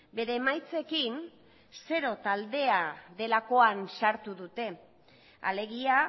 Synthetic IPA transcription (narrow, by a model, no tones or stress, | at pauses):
be̞ɾe̞ːmajt͡se̞kin | se̞ɾo̞t̪ald̪e̞aðe̞lako̞ansaɾt̪uðut̪e̞ | a̰le̞ɣia